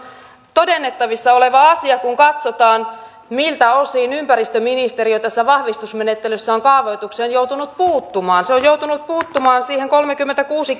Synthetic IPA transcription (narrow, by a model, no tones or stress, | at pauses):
t̪odenːet̪ːɑʋisːɑoleʋɑɑsiɑkuŋkɑt̪sot̪ɑːn | milt̪æosiːnympærist̪øminist̪eriot̪æsːæʋɑhʋist̪usmenet̪ːelysːæoŋkɑːʋojt̪ukseːnjout̪unut̪̚puːt̪ːumɑːnseojjouwt̪unut̪̚puːt̪ːumɑːnsiːheŋkolmekymːent̪ækuːsi